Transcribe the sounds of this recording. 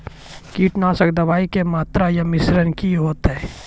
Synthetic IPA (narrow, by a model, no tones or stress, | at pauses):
kiːʈnaːsək̚d̪ɐʋaːikemaːt̪ɾajamɪsɾənkiɦoːt̪ɦɛː